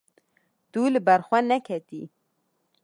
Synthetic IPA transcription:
t̪ulɨbɛɾxʷɛnɛkʰɛt̪ḭ

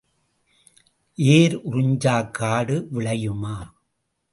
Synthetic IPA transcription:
ʔeːɾʊrʊɲd͡ʒaːkːaːɽɯʋɪɭɐjɯmaː

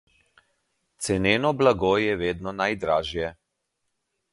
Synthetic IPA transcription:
t̪sɛneːnɔblaɡojɛʋeːd̪nɔnajd̪ɾaːʒjɛ

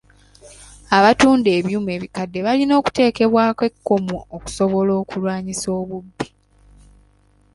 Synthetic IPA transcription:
aβatuːnde̞ːβjuːme̞ːβikadːe̞βalino̞ːku̥te̞ːke̞βwaːkwe̞kːo̞muoku̥so̞βo̞lo̞ːkulwaːɲiso̞ːβubːi̥

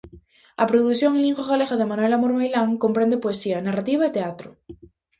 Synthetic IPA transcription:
apɾoðukθjoŋelĩŋxoɣaleɣaðemanuwelamoɾmajlaŋkompɾend̪epoesianarat̪iβ̞aet̪eat̪ɾo

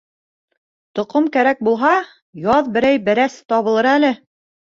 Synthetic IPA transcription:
t̪ŏqomkæɾæk̚bulˠɦɑ | jɑðbɘ̆ɾæjbɘ̆ɾæst̪ɒβɤ̆lˠɤɾælɘ

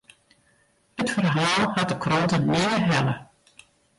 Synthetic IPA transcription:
ətfərɦaːlˠhat̚dəkʰrɔntənɪdəɦɛlə

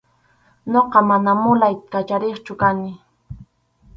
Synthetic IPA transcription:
ɲoqɑmanamʊlajkat͡ʃaɾeχt͡ʃʊkanɪ

